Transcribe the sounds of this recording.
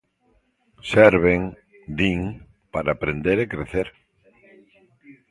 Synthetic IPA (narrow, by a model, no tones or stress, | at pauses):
sɛɾβ̞eŋ | d̪iŋ | paɾaːpɾend̪eɾekɾeθeɾ